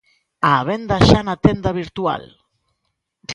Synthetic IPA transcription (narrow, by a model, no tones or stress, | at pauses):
aβe̞nd̪aʃanat̪e̞nd̪aβ̞iɾt̪ua̰l